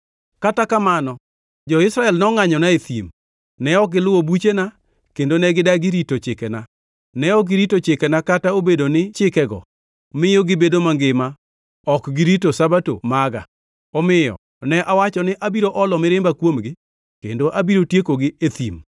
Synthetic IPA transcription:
katakamanɔ | d͡ʒɔɪsɾaɛlnɔŋaɲɔnaet̪ḭm | nɛɔk̚ɡɪlʊwobut͡ʃena | kendonɛɡɪdaɡɪɾitot͡ʃɪkɛna | nɛɔɡɪɾitot͡ʃɪkɛnakataobedonɪt͡ʃɪkɛɡɔ̰ | mɪjɔɡɪbedomaŋɡɪma | ɔkɡɪɾitosabato̰maɡa̰ | ɔmɪjɔ̰ | nɛʔawat͡ʃɔnɪʔabiɾoʔɔlɔmɪɾɪmbakwomɡɪ | kendoʔabiɾotjekoɡɪet̪ḭm

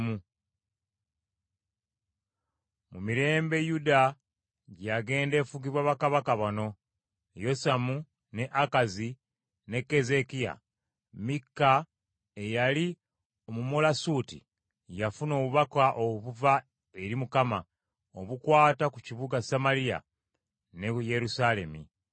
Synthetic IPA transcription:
mu | mumiɾe̞ːmbe̞juda | ɟaɡe̞ːnde̞ːfuɡiβwaβakaβakaβano̞ | jo̞samu | ne̞ʔakazi | ne̞kːe̞ze̞kija̰ | mikːa | ejali | omumolasutḭ | jafuno̞ːβuβakaʔoβuva | e̞ɾimukama | oβukwaːtakuciβuɡasamaɾija̰ | neje̞ɾusale̞̰mḭ

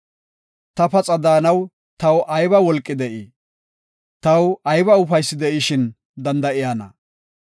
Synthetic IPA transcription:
t̪ɐpɐt͡sʼɐd̪aːnɐw | t̪ɐwʔɐjbɐwɔlkʼːɪd̪ɛʔɪ | t̪ɐwɐjbɐʊfɐjsːɪd̪ɛʔɪʃɪn | d̪ɐnd̪ɐʔɪjanɐ̰

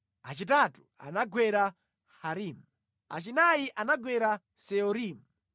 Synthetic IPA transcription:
at͡ʃit̬atu̥a̰naɡwɛɾa | haɾiːmu | a̰t͡ʃinajiʔanaɡwɛɾa | sɛɔɾiːmu

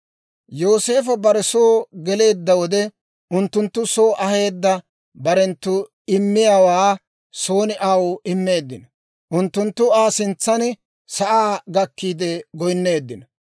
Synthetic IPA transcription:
jo̞ːse̞ːfɐbɐɾɛso̞ːɡɛle̞ːd̪ːɐwɔd̪ɛ | ʊnt̪ːʊnt̪ːʊso̞ːʔɐhe̞ːd̪ːɐ | bɐɾɛnt̪ːʊ | ɪmːɪjaːwaː | so̞ːnɪʔawʊɪmːe̞ːd̪ːɪnɔ | ʔʊnt̪ːʊnt̪ːʊaːsɪnt͡sːɐn | sɐʔaːɡɐkːiːd̪ɛɡɔjnːe̞ːd̪ːɪnɐ

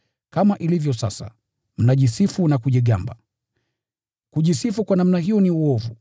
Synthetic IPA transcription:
kamaʔilivjɔsasa̰ | m̩naʄisifunakuʄɛɡamba̰ | kuʄisifukwanam̩naɦiɔniuɔvu

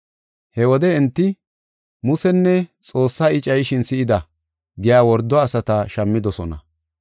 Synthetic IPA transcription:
hɛwɔd̪ɛɛnt̪ːɪ | mʊsɛnːɛt͡sʼo̞ːsːaːɪt͡ʃʼɐjʃɪnsɪʔɪd̪ɐ | ɡɪjaːwɔɾd̪ːɔɐsɐt̪ɐʃɐmːɪd̪ɔsɔnɐ̰

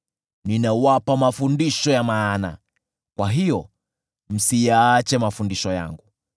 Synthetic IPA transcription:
ninawapamafundiʃɔjamaːna̰ | kwaɦijɔ | m̩sijaːt͡ʃɛmafundiʃɔja̰ŋɡu

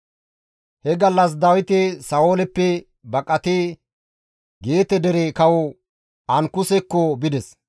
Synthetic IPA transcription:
hɛɡɐlːɐs̬d̪ɐwɪt̪ɛsɐoːlɛpːɛ | bɐkʼɐt̪eː | ɡe̞ːt̪ɛd̪ɛɾeːkɐwɔ | ɐŋkʊsɛkːɔbɪd̪ɛs

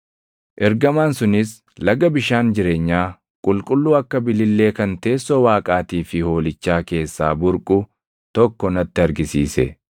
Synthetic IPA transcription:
ʔɛɾɡɐmaːnsʊnɪs | lɐɡɐbɪʃaːnd͡ʒɪɾe̞ːɲːaː | kʼʊlkʼʊlːuːɐkːɐbɪlɪlːe̞ːkɐnt̪e̞ːsːɔwaːkʼaːt̪iːfɪho̞ːlɪt͡ʃːaːke̞ːsːa̰ːbʊɾkʼʊ | t̪ɔkːɔnɐt̪ːɪɐɾɡɪsiːsɛ̰

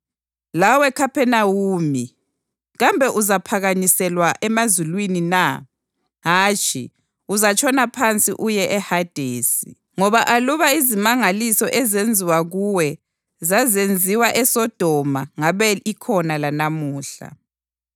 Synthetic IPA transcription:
lawɛkʰapʰɛnawuːmi | ɣambʱɛʔuzapʰaɣaɲisɛlwaʔɛmazulwinina | ɦaːt͡ʃʼʰḭ | uzat͡ʃʰʼɔnapʰant͡sʼḭʔujɛʔɛhad̥ʱeːsḭ | ŋɔβaʔaluβaizimaŋalisɔʔɛzend͡zʱiwaɣuwɛ | zazend͡zʱiwaʔɛsɔd̥ʱɔmaŋaβɛikʰɔnalanamuːɬa̰

